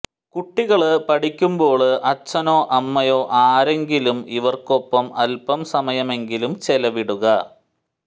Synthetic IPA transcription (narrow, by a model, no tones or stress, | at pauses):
kuʈːiɣɐɭpɐʈikʲːumbo̞ːɭɨʔɐt͡ɕːɐno̞ːʔɐmːɐjo̞ːʔaːɾe̞ŋɡilumiʋɐrko̞pːɐmɐlpɐmsɐmɐjɐme̞ŋɡilumt͡ɕelɐʋiɽuɣɐ